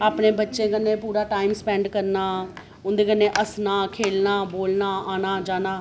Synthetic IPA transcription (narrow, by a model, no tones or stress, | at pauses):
aːpnẽːbətːʃẽːkənːẽːpuːɾaːʈaːimspɛːɳɖkəɾnaː | ʊnd̪eːkənːẽːʔəsnaːkʰeːlnaːboːlnaːʔaːnaːd͡ʒaːnaː